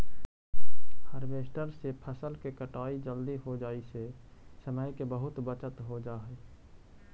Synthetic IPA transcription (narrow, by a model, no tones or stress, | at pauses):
həɾʋeːsʈəɾsepʰəsəlkekəʈaːid͡ʒəld̪iɦod͡ʒaːise | səməjkebəɦʊt̪bət͡ʃət̪ɦod͡ʒaɦɛ